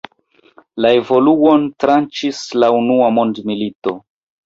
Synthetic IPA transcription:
lae̞vo̞luo̞ntɾant͡ʃislaunuamo̞ndmilito̞

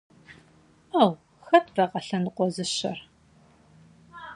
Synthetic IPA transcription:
aːw | xɐtʰrɐqɐɬɐnɨqʷɔzɨɕɐ̰r

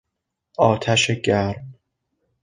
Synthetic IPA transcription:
ɒːt̪ʰæʃeɟæɾm

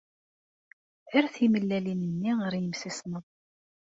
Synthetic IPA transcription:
æɾθiməlːælinənːiʁəɾjəmsisnəð

